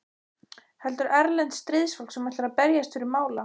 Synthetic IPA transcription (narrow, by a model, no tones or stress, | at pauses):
hɛlt̪ʏɾʔɛɾlɛnt̪st̪ɾɪðsfɔlksɛmajt̪aɾaðpɛɾjast̪fɪɾɪɾmaːwla